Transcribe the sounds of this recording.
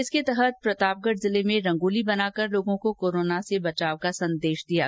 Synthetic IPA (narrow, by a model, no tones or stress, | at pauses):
ɪsket̪ɛɦət̪̚pɾɐt̪aːp̚ɡəʈzɪlemẽɾɐ̃ŋɡoːlibɐnaːkəɾloːɡõkokoːɾoːnasebɐt͡ʃaːʋkasɐ̃nd̪eːʃd̪ija̰